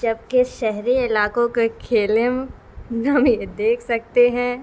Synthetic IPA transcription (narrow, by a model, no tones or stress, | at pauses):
d͡ʒɐb̚keʃɛɦɾiɪlaːkõkekʰeːlɪm | namjed̪eːkʰsɐk̚t̪eɦɛ̃ː